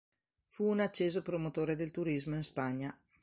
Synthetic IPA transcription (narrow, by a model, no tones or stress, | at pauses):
fuːnat͡ʃːeːzopɾomot̪oːɾed̪elt̪uɾizmoinspaɲːa